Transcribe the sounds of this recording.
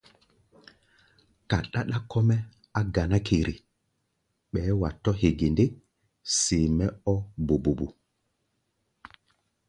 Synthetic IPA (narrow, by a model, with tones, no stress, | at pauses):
ka˨ɗa˦ɗa˦kːɔ˦mɛ˦ | a˦ɡa˨na˦kʰe˨ɾʔi˨ | ɓɛː˨˦wa˨tːɔ˦he˨ɡi˨nde˦ | si˨mɛ˦ɔ˦bu˨bu˨bu˨